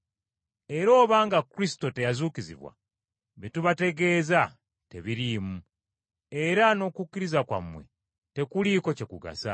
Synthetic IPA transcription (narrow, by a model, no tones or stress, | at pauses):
e̞ɾo̞ːβaːŋɡakuɾisi̥to̞te̞jazuːkizḭβwa̰ | βetuβate̞ɡe̞ːza | te̞βiɾiːmu | e̞ɾano̞kukːiɾizakwa̰mwe̞̰ | te̞kuliːko̞ce̞kuɡa̰sa̰